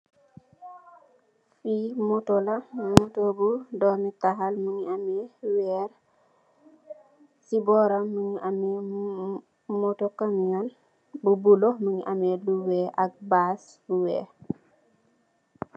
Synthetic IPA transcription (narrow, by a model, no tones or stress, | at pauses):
fimotolɐmotobudɔmitaɦalmuɲiamɛwɛɾ | sibɔɾamuɲiʔamɛ | motokamiŋan | bubulomuɲiʔamɛluwɛʔɐk̚baːs | buwɛ̰ː